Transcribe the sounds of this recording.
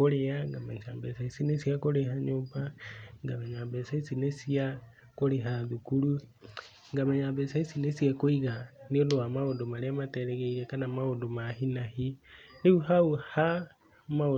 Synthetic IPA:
oɾeaŋɡamasambesaisinesiakoɾeɦaɲoːmbaŋɡameɲambesaisinesia | koɾeɦaðukuɾu | ŋɡameɲabesaisinesiakoiɣaneoldoamaodomaɾemateɾeɣeiɾekanamaodomahinahineuɦauha | mao

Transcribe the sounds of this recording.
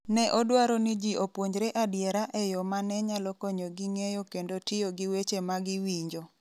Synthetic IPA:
nɛʔɔdwaɾɔnɪd͡ʒiʔopwoɲd͡ʒɾeʔadjɛɾaʔɛjɔmanɛɲalɔkɔɲoɡiŋejokendotɪjoɡɪwet͡ʃemaɡɪwiɲd͡ʒo

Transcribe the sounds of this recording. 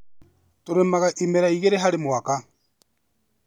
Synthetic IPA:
toɾemaɣaʔimeɾaiɣeɾeɦaɾemwaka

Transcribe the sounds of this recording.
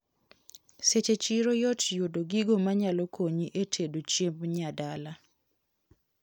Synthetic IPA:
set͡ʃet͡ʃiɾojɔtjodoɡiɡomaɲalɔkoɲiʔetʰedot͡ʃembɲadala

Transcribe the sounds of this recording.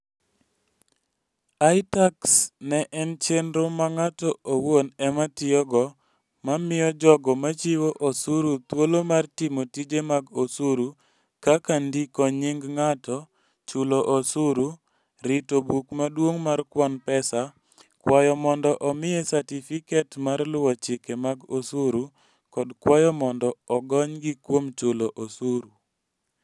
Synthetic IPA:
aitaksnɛʔɛnt͡ʃenɾomaŋatɔʔowonɛmatɪɔɡɔ | mamɪjɔd͡ʒɔɡɔmat͡ʃiwoʔosuɾut̪wolomartimotid͡ʒemaɡosuɾu | kakandikɔɲɪŋɡŋatɔ | t͡ʃʊloʔosuɾu | ɾɪtobukmadwoŋmarkwɔnpɛsa | kwajɔmɔndɔʔɔmɪesatifikɛtmarlʊwat͡ʃɪkemaɡosuɾu | kɔdkwajɔmɔndɔɔɡɔɲɡikwomt͡ʃʊloʔosuɾu

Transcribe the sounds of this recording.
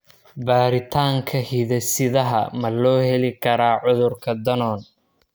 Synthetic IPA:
baːɾɪt̪ʰaːŋkʰɐhiðɛsɪðɐɦɐmɐlɔːhɛlɪkʰɐɾaːʕʊðʊrkʰɐd̪ɐnɔːn

